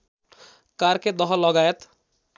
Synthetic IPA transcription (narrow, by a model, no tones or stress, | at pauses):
kaɾked̪ɔɦɔlɔɡajət̪